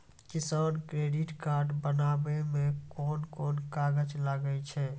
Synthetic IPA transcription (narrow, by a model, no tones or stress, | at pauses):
kɪsaːnkɾeɖɪʈkaɾɖbənaːbemẽkɔːnkoːnkaɡət͡ʃlaɡəjt͡ʃʰɛ